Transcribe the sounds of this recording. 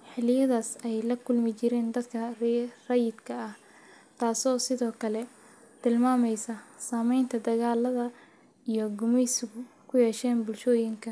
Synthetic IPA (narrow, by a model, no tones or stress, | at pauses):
ħɪlɪjɐðaːsɛjlɐkʰʊlmɪt͡ʃɪɾɛːnd̪ɐd̪kʰɐrrɐjɪd̪kʰɐɐh | t̪ʰaːsɔːsɪðɔːkʰɐlɛ | t̪ʰɪlmaːmɛjsɐsaːmɛjnt̪ʰɐd̪ɐɣaːlɐðɐ | ijɞɡʊmɛjsɪɣʊkʰʊjɛːʃɛːnbʊlʃɔːjɪŋkʰɐ